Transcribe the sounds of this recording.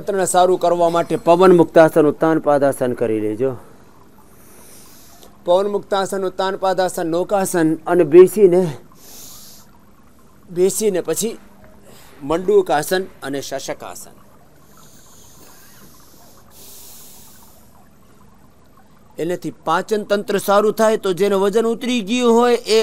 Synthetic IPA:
t̪ɾənesaɾũkəɾʋamaʈepəʋənmʊk̚t̪aːsənut̪ːanpad̪asənkəɾiled͡ʒo | pəʋənmʊkt̪aːsənut̪ːanpad̪aːsənːokaːsənənebesine | besinepət͡ʃʰi | məɳɖukaːsənəneʃəʃəka̰ːsə̰n | enet̪ʰipãːt͡ʃənt̪ənt̪ɾəsaɾũt̪ʰajt̪od͡ʒeneʋəd͡ʒənʊt̪ɾiɡəjũɦojʔe

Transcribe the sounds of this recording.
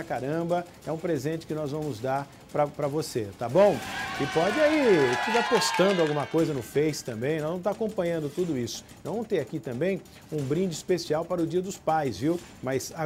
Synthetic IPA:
kaɾɐ̃bɐ | ɛũpɾezẽnt͡ʃɪ̥kɪnɔzvɐ̃mʊzd̪aɾ | pɾɐpɾɐvoset̪abõw̃ɪpɔd͡ʒɪaifikaɾpost̪ɐ̃nd̪ʊawɡũmɐkojzɐnʊfejsɪ̥t̪ɐ̃mbẽj̃nɔzvɐ̃m̃t̪akõmpɐ̃ɲɐ̃nd̪ʊt̪ud̪ʊisʊ̥ɐ̃w̃vɐ̃t̪eɾakit̪ɐ̃mbẽj̃ | ũbɾĩd͡ʒɪispesiawpaɾʊd͡ʒiɐd̪ʊspajzviw | mɐza

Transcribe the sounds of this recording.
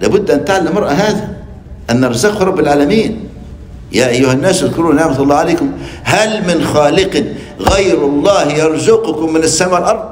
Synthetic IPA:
la̰ːbʊd̪ːʔant̪aʕalːamːɑɾˤʔaɦaːða | ʔanːɑɾˤzaqhɾˤɑbːɪlʕaːlamiːn | jaːʔajːʊhanːaːsaðkʊɾuːnːaʕmat̪ˤʊlˤːɑːʕaleːkʊm | halmɪnxaːlɪq | ɣajɾɑlˤːɑːhjɑɾˤzʊqʊkʊmːɪnasːamaːwalʔɑɾˤd̪̚ˤ

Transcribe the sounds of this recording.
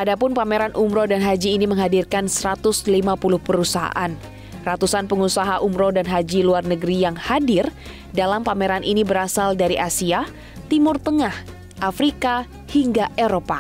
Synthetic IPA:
ʔadapʊnpameɾanʔumɾodanɦad͡ʒiːniməŋɦadirkansəɾat̪ʊslimapulʊhpəɾusaɦa̰ʔan | rat̪usanpəŋusaɦaʔumɾodanɦad͡ʒiluarnəɡəɾijaŋhadɪr | dalampameɾanʔinibəɾasaldaɾiʔasia | t̪imʊrt̪əŋah | ʔafɾika | hiŋɡaʔeɾopa

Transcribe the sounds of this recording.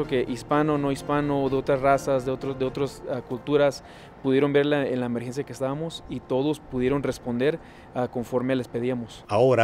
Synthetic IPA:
oke̞ʔispano̞no̞ispano̞ːðeo̞t̪ɾasrasazðeot̪ɾoðeo̞t̪ɾosakult̪uɾas | puðje̞ɾo̞mbe̞ɾlaenlaemeɾxens̬jakest̪aβamo̞sit̪o̞ðospuðjeɾo̞nre̞spo̞nd̪e̞ɾ | ako̞ɱfo̞ɾmele̞speðiamosaoɾa

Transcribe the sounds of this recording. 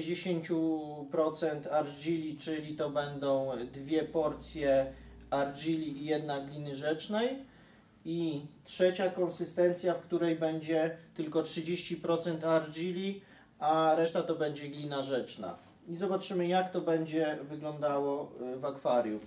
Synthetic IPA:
ʑd͡ʑeɕeɲt͡ɕupɾɔt̪sɛnt̪aɾd͡ʑilʲit͡ʂɘlʲit̪ɔbɛnd̪ɔ̃w̃d̪vʲjɛpɔɾt̪sʲjɛaɾd͡ʑilʲiːjɛd̪naɡlʲinɘʐɛt͡ʂnɛj | itʂɛt͡ɕakɔnsɘst̪ɛnt̪sʲjafkt̪uɾɛjbɛɲd͡ʑɛt̪ɘlkɔtʂɘd͡ʑeɕt͡ɕipɾɔt̪sɛnt̪aɾd͡ʑilʲi | aɾɛʂt̪at̪ɔbɛɲd͡ʑɛɡlʲinaʐɛt͡ʂna̰ | izɔbatt͡ʂɘmɘjakt̪ɔbɛɲd͡ʑɛvɘɡlɔnd̪awɔvakfaɾʲjṵ

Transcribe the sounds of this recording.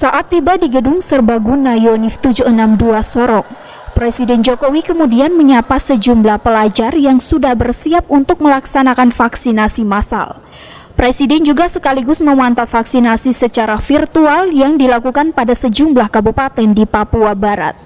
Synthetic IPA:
saʔat̪ːibadiɡədʊŋsərbaɡunajonɪft̪ud͡ʒuənamduasɔɾɔŋ | pɾesidɛnd͡ʒokowikəmudianməɲapasəd͡ʒumblahpəlad͡ʒarjaŋsudahbərsiap̚unt̪ʊk̚məlaksanakanfaksinasimasa̰l | pɾesidɛnd͡ʒuɡasəkaliɡʊsməwant̪alfaksinasisət͡ʃaɾafirt̪ualjaŋdilakukanpadasəd͡ʒumblahkabupat̪ɛndipapuabaɾa̰t̪̚

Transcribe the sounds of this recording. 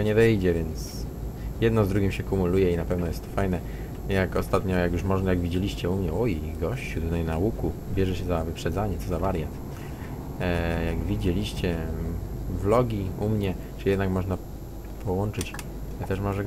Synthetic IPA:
ɔɲɛvɛjd͡ʑɛvʲjɛnt̪s | jɛd̪nɔzd̪ɾuɡʲimɕɛkumulujɛinapɛvnɔjɛst̪ːɔ̥fajnɛ | jakɔst̪at̪ɲɔjakjuʂmɔʐnajaɡvʲid͡ʑelʲiɕt͡ɕɛumɲɛɔjejɡɔɕt͡ɕut̪ut̪ajnaukubʲjɛʐɛɕɛzavɘpʂɛd̪zaɲɛt̪ɔzavaɾjat̪ | jaɡvʲid͡ʑɛlʲiɕt͡ɕɛ | vlɔɡʲiumɲɛ | t͡ʂɨjɛd̪nakmɔʐna | pʰɔwɔnt͡ʂɘt͡ɕ | t̪ɛʂmɔʐɛ

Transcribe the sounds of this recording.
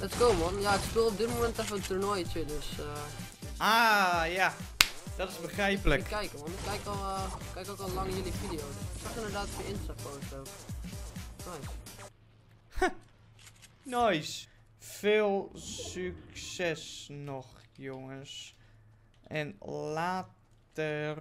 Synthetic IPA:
ətɪskumɔnjaɪkspuɔp̚dɪtmomɛntɛfətərnɔjtjədøs | aːja | d̥ɔtɪsbəxrɛjpələkkːɛjkəmɔnɪkɛjkɔlˠkɛjkokɔlˠlaŋjəlifidiowsɪksɔxɪndərdaːtfəɪnstakoəstow | nɔjs | nɔjs | feːlˠsyksɛsnɔxjoŋəs | ʔɛnlaːt | ər

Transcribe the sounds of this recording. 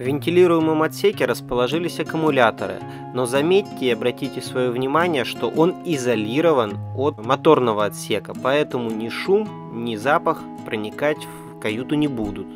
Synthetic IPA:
vʲɪnʲtʲɪlʲiɾʊjɪmɨmɐt̪sʲekʲɪɾəspəlˠɐʐɨlʲɪsʲɐkʊmʊlʲat̪ə̰ɾɨ̰ | no̞zɐmʲetʲːɪɐbɾɐtʲitʲɪsvɐjovnʲɪmanʲɪjəʂt̪o̞ʔo̞nɪzɐlʲiɾəvənot̪mɐt̪o̞rnəvəɐt̪sʲe̞kəpɐɛt̪əmʊnʲɪʂum | nʲɪzapəx | pɾənʲɪkatʲf | kɐjut̪ʊnʲɪbud̪ʊt̪̚

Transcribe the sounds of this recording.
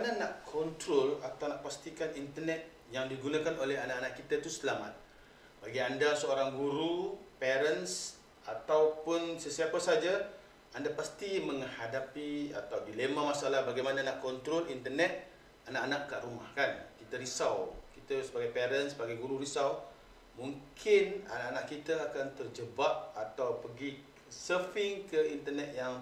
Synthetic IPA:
ananakʰːɔnt̪ɾolat̪awnaʔpast̪ikanint̪ənɛt̪̚ | jaŋdiɡunakanolɛɦanakanakːit̪ət̪usəlamat̪̚ | baɡiandasəoɾaŋɡuɾupeɾəns | at̪awpʊnsəsiapasad͡ʒa | andapast̪iməŋhadapia̰t̪awdilemamasalahbaɡajmanaanaʔkɔnt̪ɾɔlint̪ərnɛt̪̚ | anaʔanakːaʔɾumahkankit̪aɾisawkit̪asəbaɡajpeɾənsəbaɡajɡuɾuɾisaw | muŋkʰɪna̰naʔanaʔkːit̪aakant̪ərd͡ʒəbap̚at̪awpəɡi | səfɪŋkəint̪ərnɛt̪̚jaŋ

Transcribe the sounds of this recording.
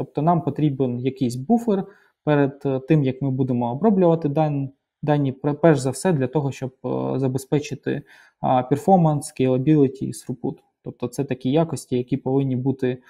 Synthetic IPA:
t̪ɔp̚t̪ɔnɑmpɔt̪ɾʲibenjɐkɪjsʲbufɪr | pɛɾed̪t̪ɪmjɐkmɪbud̪emɔːbɾɔblʲʊʋɐt̪ɪd̪ɑ | d̪ɑjnʲːippɛʒzɐwsɛd̪lʲɐt̪ɔɦɔʃt͡ʃɔb̚zɐbespɛt͡ʃɪt̪ɪ̰ | pʲerfɔmɐnskʲejlˠɐbʲilˠɪtʲiḭsɾʊput̪ | t̪ɔp̚t̪ɔt̪sɛt̪ɐkʲijɑkɔsʲtʲijɐkʲipɔʋɪnʲːibut̪ɪ

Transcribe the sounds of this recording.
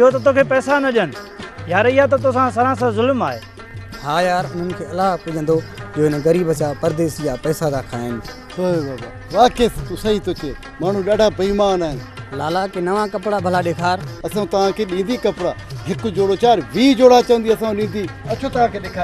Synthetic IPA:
ɪɦot̪ɐt̪oːkʰeːpɛːsanɐʄənɪ | jaːɾɪɦat̪̬ɐt̪oːsãːs̬ɐɾãːs̬ãːzʊlmaːɦḛː | haːjaːɾʊn̤ənɪ̆kʰeːɐlaːɦpʊd͡ʒʱə̃nd̪od͡ʒoːɦɪnɣɐɾiːbəsaːpɐɾd̪eːsjaːpɛːsazaːkʰaːɦɪnɪ̆ | ɦoːbaːba̰ːʋaːkest̪usəiːt̪oːkʰeː | maːɳ̤ũɗaːɖʱaːpɐiːmaːnaːɦɪnlaːlakeːnɐʋãkɐpɽabʱɐlaɗeːkʰaːɾɐsãːt̪ɐʋ̤ãːkʰeːɗĩːn̆d̪iːkɐpɽaːɦɪkʊd͡ʒoːɽoːt͡ʃaːɾʋiːd͡ʒoːɽaːt͡ʃəɐʋə̃nd̪iːɐsãɗĩːnd̪iːɐt͡ʃʰoːt̪ɐʋ̤ãːkʰeːɗekʰaː

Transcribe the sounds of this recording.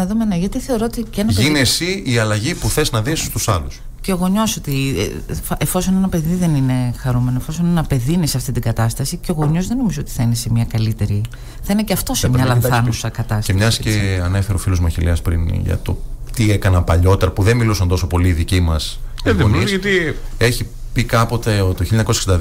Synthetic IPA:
ɐðomenɐʝɐt̪iθe̞oɾoot̪icenɐʝinesiiɐlɐʝipuθe̞znɐðisi̥st̪usɐlus | ceoɣo̞ɲo̞sot̪ḭ | efo̞so̞ne̞nɐpe̞ðiðe̞nine̞xɐɾume̞noefo̞so̞nenɐpe̞ðiːneseɐft̪it̪iɡɐt̪ɐst̪ɐsiceo̞ɣo̞ɲo̞zðe̞no̞mizoot̪i̥θɐinesemiɐkɐlit̪e̞ɾi | θɐineceɐft̪o̞semɲɐlɐnθɐnusɐkɐt̪ɐstemɲɐsi̥eɐnefeɾofilozmɐçileɐspɾḭnʝɐ̰t̪o̞̰t̪iekɐnɐpɐʎo̞t̪eɾɐpuðenmilusɐnt̪oso̞po̞liːðicimɐsonisɐt̪ie̞çi | pikɐpo̞t̪eot̪oçiʎoɐɲɐkoseksind̪ɐ

